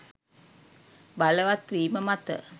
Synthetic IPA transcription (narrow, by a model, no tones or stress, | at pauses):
baləʋat̪ʋiːməmat̪ə̰